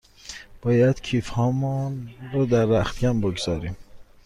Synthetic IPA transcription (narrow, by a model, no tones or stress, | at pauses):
b̥ɒːjæd̪̥cʰiːfhɒːmunɾɔd̪æɾːæxt̪ɡæmboɡzɒːɾiːm